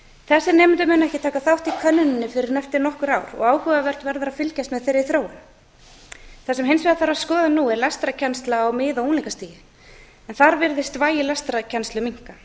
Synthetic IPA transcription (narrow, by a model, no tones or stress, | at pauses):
θɛsːɪɾnɛːmɪnt̪ʏmʏːnɛhcɪt̪ʰaːkaθawht̪ikʰœnːʏnɪnːɪfɪɾɪɾnɛft̪ɪɾnɔhkʏɾaːwɾɔ̰ɣaːwhʏːɣavɛr̥t̪vɛɾðʏɾafɪlcast̪mɛðθejɾːɪθɾoːwʏn | θas̬ɛmɦejnsvɛːðaθaɾaðskɔːðanuːɛɾlast̪ɾacʰɛnst̪laːwmɪːðawuːnliŋkast̪iːjɪ | ɛnθaɾvɪɾðɪst̪vaːjɪlɛst̪ɾacʰɛnst̪lʏmiŋ̥ka